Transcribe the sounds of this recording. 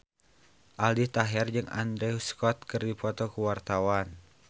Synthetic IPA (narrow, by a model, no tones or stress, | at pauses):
ʔaldit̪aɦɛrd͡ʒɨŋa̰nd̪ɾɛuskɔt̪̚kɨrdipɔt̪ɔkuwart̪awan